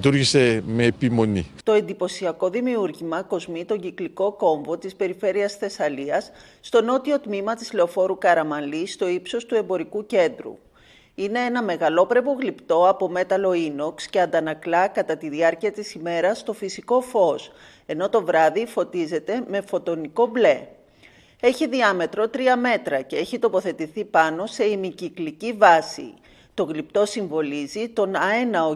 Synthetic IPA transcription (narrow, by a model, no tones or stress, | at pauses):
t̪uɾʝise̞meːpimo̞nḭt̪o̞e̞nd̪ipo̞siɐko̞ðimiuɾʝimɐko̞zmit̪o̞ɲɟikliko̞ko̞ɱvo̞t̪ispe̞ɾife̞ɾiɐsθe̞sɐliɐsː | t̪o̞no̞t̪io̞t̪mimɐt̪izle̞o̞fo̞ɾukɐɾɐmɐnlist̪o̞ipso̞st̪ue̞mbo̞ɾikuce̞nd̪ɾṵ | ine̞enɐme̞ɣɐlo̞pɾe̞vo̞ɣlipt̪o̞ɐpo̞me̞t̪ɐlo̞inoksce̞ɐnd̪ɐnɐklɐkɐt̪ɐt̪iðiɐɾciɐt̪isime̞ɾɐst̪o̞fisiko̞fo̞s | e̞no̞t̪o̞vɾɐðifo̞t̪ize̞t̪e̞me̞fo̞t̪o̞niko̞ble̞ | e̞çiðiɐme̞t̪ɾo̞t̪ɾiɐme̞t̪ɾɐce̞e̞çit̪o̞po̞θe̞t̪iθipɐno̞se̞imiciklicivɐsḭ | t̪o̞ɣlip̚t̪o̞siɱvo̞lizit̪o̞nɐenɐo